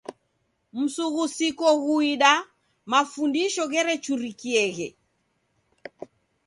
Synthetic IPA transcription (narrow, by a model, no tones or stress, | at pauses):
m̩suɣusikɔɣuiɗa | mafundiʃɔɣɛɾɛt͡ʃuɾikiɛɣɛ